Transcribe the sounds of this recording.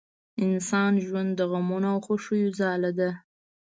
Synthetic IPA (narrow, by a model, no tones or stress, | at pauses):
ɪnsɑnʒwand̪ːəɣamunawxoʂəjozɑlad̪a